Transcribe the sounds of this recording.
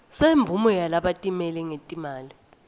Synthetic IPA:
seɱb̪vʱumɔjalaɓatʼimɛlɛŋetʼimaːli

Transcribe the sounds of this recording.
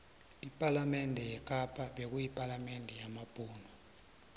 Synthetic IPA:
ipʼalamɛndʱɛjɛkʼapʰʼaɓek̬ujipʼalamɛndʱɛjamab̥ʼʱuːna

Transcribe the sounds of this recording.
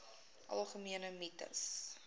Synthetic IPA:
ʔɐ̰lˠχəmiənəmitə̰s

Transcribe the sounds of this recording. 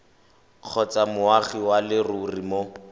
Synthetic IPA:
q͡χʰɔt͡samʊaχiwalɪrurimo

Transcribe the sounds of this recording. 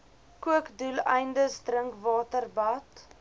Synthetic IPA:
kuəkdulɛjndəsdrəŋkvɑːtərbɐt

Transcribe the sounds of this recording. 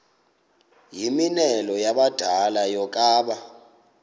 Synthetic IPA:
jiminɛlɔjaɓad̥ʱalajɔkʼaːɓa

